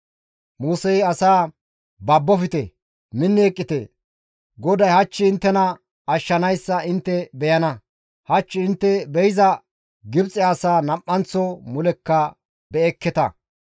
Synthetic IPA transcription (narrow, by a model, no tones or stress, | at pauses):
muːsɛjɐsaː | bɐbːɔfɪt̪ɛ̰ | mɪnːeːkʼːɪt̪ɛ̰ | ɡɔd̪ɐjhɐt͡ʃːɪɪnt̪ːɛnɐ | ɐʃːɐnɐjsːɐɪnt̪ːɛbɛjɐnɐ | hɐt͡ʃːɪɪnt̪ːɛbɛjɪzɐ | ɡɪbt͡sʼɛasaːnɐpːɐnt͡sːɔmʊlɛkːɐ | bɛɛkːɛt̪ɐ̰